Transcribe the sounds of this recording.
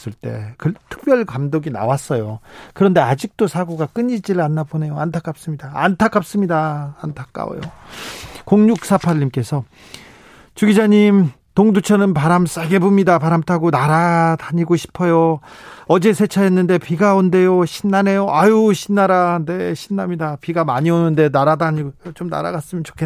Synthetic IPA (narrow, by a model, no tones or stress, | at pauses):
s͈ɯɭt͈e̞̰kɯtʰɯ̥k̚p͈jʌɭkamdoɡina̰was͈ʌjokɯɾʌnde̞ad͡ʑik̚t͈osʰaɡoɡak͈ɯɲid͡ʑiɾɯanːabone̞joantʰak͈ap̚s͈ɯmɲidaantʰak͈ʰap̚s͈ɯmɲidaːntʰḁk͈a̰o̰jo̰ | koŋɲuk̚s͈apʰaʎːimk͈e̞sʰʌ | t͡ɕuɡid͡ʑaɲim | toŋdut͡ɕʰʌnɯnpaɾams͈aɡe̞bomɲidapaɾamtʰaɡonaɾadaɲiɡoɕʰi̥pʰʌjoʌd͡ʑe̞sʰe̞t͡ɕʰaenːɯnde̞piɡaonde̞joɕʰinːane̞joʔajuɕʰinːaɾane̞ɕʰinːamɲidapiɡamaɲionɯnde̞naɾadaɲiɡot͡ɕomna̰ɾa̰ɡas͈ɯmjʌnt͡ɕo̥kʰe